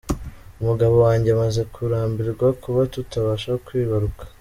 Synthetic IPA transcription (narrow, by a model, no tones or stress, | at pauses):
umuɡaβo̞waːɲɟeamaze̞kʰuɾaːmbiɾɡwakuβatutaβaʃakwiːβaɾukḁ